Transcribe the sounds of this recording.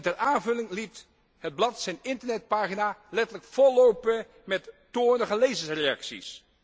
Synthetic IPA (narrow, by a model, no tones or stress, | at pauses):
tɛɹaːnvɵlɪŋlit | həd̚blɑtsɛjnɪntəɹnɛt̚paːχinalɛtələkfɔlowpə | mɛtːoːɹnəχəlejvənsrejɑksḭs